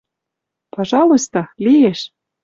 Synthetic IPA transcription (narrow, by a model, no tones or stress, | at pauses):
pɑʒɑlˠost̪olijeʃ